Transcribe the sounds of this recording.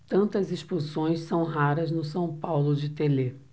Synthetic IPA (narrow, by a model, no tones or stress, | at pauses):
t̪ɐ̃nt̪ɐzisposõj̃ssɐ̃w̃ɦaɾɐznʊsɐ̃w̃pawlʊd͡ʒɪt̪ele